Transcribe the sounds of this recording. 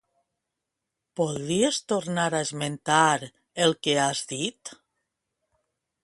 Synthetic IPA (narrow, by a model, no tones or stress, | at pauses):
poðɾiest̪oɾnaɾaezment̪aɾ | elˠkeazðit̪